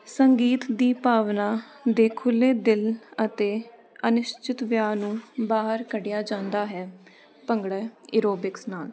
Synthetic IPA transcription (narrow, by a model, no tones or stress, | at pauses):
səŋɡiːt̪d̪iːpaːʋnaː | d̪eːkʰʊlːeːd̪ɪlət̪eː | ənɪʃt͡ʃɪt̪ʋjaːnũːbaːɦəɾkəɖɪjaːd͡ʒãːnd̪aːɦɛː | pəŋɡɽəɪɾoːbɪksnaːl